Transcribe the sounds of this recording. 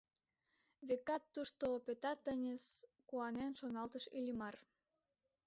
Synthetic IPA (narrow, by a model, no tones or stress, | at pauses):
βekɑt̪ːuʃt̪opøt̪ɑt̪ːənʲəskuɑnenʃonɑlt̪əʃilʲimɑr